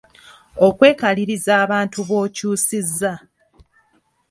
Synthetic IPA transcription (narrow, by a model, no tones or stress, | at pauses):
o̞kwe̞ːkaliɾizaːβaːntuβo̞ːcuːsizːa